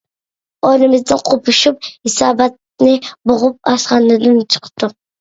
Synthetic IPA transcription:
onɪmɪzd̪ɪnqʰopʰʊʃup̚hɪsɑːbɑt̪̚ | nɪboʁʊp̚ɑsqɑnɪd̪ɪnt͡ʃʰɨ̥qt̪ʊ

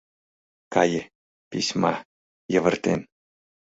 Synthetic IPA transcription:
kɑj | pʲisʲmɑ | jɤ̆ʋə̆rt̪ʲenʲ

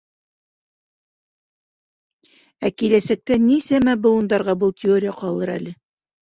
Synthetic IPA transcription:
ækilæsæk̚t̪ænisæmæbɤ̆wŭnd̪ɑɾʁɑbɤlˠt̪ʲɪoɾʲɪjəqɑlˠɤɾæ̰lɘ

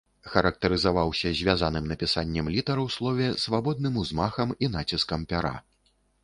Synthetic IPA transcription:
xɐɾɐk̚t̪ɐɾɨzavawsʲɐzʲvʲazanɨmnɐpʲisanʲːɛmlʲit̪ɐɾɐwslˠɔvʲɛsvabɔd̪̚nɨmuzmaxɐmin̪at͡sʲiskɐmpʲaɾa̰

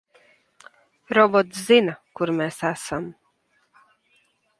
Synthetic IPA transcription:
ɾɔbɔt̪szinakuɾmesæsam

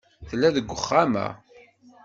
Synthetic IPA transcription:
θəlːæðəɡʷːəχːæmæ̰

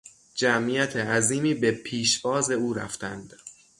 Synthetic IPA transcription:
d͡ʒæmijæt̪ʰeæziːmiːbe̞pʰiːʃbɒːze̞uːɾæ̰ft̪ʰænd̪̥

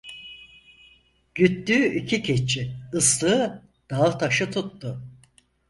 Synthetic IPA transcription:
ɟyt̪ːyːicʰicʰet͡ʃʰiɯslˠɯː | d̪̥aɯt̪ʰaʃɯt̪ʰut̪ːʊ

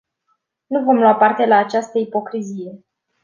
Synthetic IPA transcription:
nuvo̞mlwapart̪e̞laːt͡ʃast̪əipo̞kɾizije̞

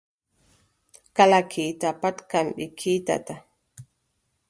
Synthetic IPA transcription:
kalakʰit̪apat̪kambikʰit̪a̰t̪a

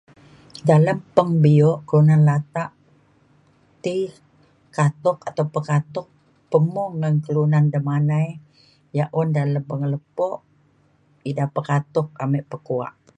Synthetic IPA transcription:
daləmpəŋbiɔʔkəlunanlat̪aʔ | t̪i | kat̪ɔkat̪awpəkat̪ɔk̚ | pəmɔŋːənkəlunandəmanaj | jaʔɔndaləmpəŋələpɔʔ | idapəkat̪ɔk̚amɛʔpəkua̰ʔ

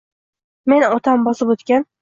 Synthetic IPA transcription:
me̞nɒt̪ʰambɒsɪpot̪kʲan

